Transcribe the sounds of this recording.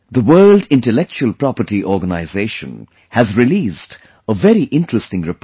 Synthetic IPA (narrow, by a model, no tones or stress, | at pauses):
ðəwɜːldɪ̃nʈəlɛk̚t͡ʃuəlpɾɑpəɾʈiʔɔːɾɡənaɪzeːʃə̰̃n | hæzɹɪliːsd | əvɛɾiʔɪ̃nʈɹəstɪ̃ŋɾɪp